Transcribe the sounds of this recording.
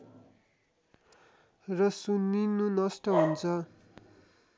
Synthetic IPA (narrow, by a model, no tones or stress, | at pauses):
rʌsuninunʌsʈʌɦunt͡sʰʌ